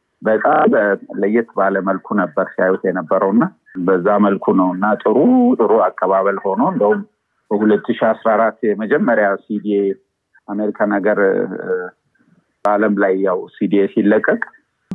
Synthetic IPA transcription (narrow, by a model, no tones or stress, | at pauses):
bət̪ʼabələjːɪt̪baləməlkʰunəbːəɾsajut̪ʰjɛnəbːəɾəwnːa | bəzːaməlkʰunəwɨnːat̪ʼɨɾut̪ʼɨɾoakʼːəβaβəlho̞noɨnd̪əhum | b̥əhulət̪ʰːɨʃiasɾaɾat̪ːjɛməd͡ʒɛmːəɾjasid̪ie | ameɾikʰanəɡəɾ | baləmlajːawsid̪iesilːəkʼːəkʼ